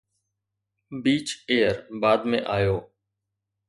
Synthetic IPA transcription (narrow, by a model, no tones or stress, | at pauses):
biːt͡ʃeːəɾbaːd̪mḛ̃ːʔaːjoː